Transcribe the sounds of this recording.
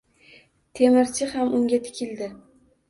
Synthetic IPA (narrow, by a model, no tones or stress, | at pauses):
t̪ʰe̞mɪɾt͡ʃʰɪhamʔʊŋɡʲat̪ʰɪ̥kʲʰɪld̪ɪ